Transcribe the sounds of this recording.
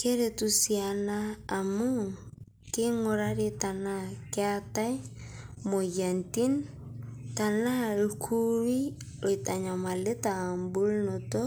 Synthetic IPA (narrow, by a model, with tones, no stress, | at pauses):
ke˦ɾe˨tu˨sia˨naː˦˨mu˦ | ke˦ŋo˨ɾa˦ɾe˦ta˨na˨ke˦a˦ta˦i˦mo˨ɣa˨nti˦n | ta˨na˦ekʰu˦ɾi˦ | o˨i˨ta˨ɲa˨ma˨le˦ta˨mbu˦lno˨tɔ˦